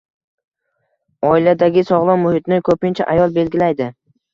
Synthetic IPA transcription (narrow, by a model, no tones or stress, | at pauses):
ɒɪlad̪aɡʲɪsɒʁlˠɒmʊhɪt̪nɪkʰɵpɪnt͡ʃʰa̰ʔajɒlˠbe̞lɡʲɪlajd̪ɪ